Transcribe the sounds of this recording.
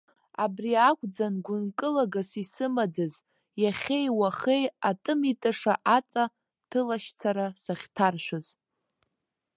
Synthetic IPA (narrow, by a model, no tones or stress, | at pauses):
abriakʷʼd͡zanɡʷʊnkʼɨlaɡasisɨmad͡zaz | jaχʲejwaχejatʼɨmitʼɨʂaʔat͡sʼa | tʰɨlaʃt͡sʰaɾasaχʲtʰarʃʷᶣʊz